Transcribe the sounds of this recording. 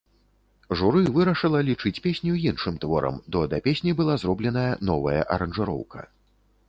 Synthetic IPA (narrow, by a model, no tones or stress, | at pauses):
ʐuɾɨvɨɾɐʂɨlˠɐlʲit͡ʂɨt͡sʲpʲesʲnʲujinʂɨmt̪vɔɾɐ̰md̪ɔd̪ɐpʲesʲnʲibɨlˠazɾɔblʲɛn̪ɐjɐnɔvɐjɐ̰ʔɐɾɐnʐɨɾɔ̰wkɐ̰